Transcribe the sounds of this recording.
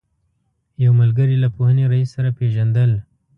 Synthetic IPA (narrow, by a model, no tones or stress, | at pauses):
jawmalɡəɾilapohəneɾaisːaɾapeʒand̪əl